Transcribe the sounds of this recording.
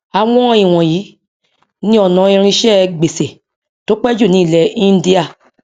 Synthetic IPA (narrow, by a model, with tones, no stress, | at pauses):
a˧wɔ̃˦i˨w̃ɔ̃˨jiː˨˦ | nĩ˦ɔ˨nã˨˦ĩ˧ɾ̃ĩ˧ʃɛ˦˨ɡ͡be˨se˨ | to˨˦k͡pɛ˦d͡ʒu˦˨nĩ˨˦˨lɛ˨ĩ˦n˦di˦a˦˨